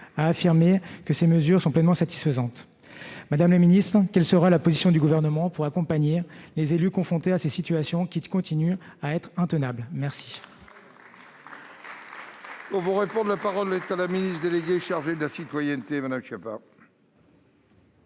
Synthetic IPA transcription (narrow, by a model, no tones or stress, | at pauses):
aːfiʁmekəseməzyʁsɔ̃plɛnmɑ̃sat̪i̥sfəzɑ̃t̪ | mad̪amlaminist̪χkʲɛlsəʁalapozisjɔ̃d̪yɡuvɛʁnəmɑ̃puʁakɔ̃paɲelezelykɔ̃fχɔ̃t̪easesit̪ɥasjɔ̃kʲikɔ̃t̪inyaɛt̪χɛ̃t̪ənablmɛʁsi̥ | ovuʁepɔ̃d̪lapaʁɔlːet̪alaminist̪d̪eleɡʲeʃaʁʒed̪əlasit̪wajɛnt̪emad̪amʃapa̰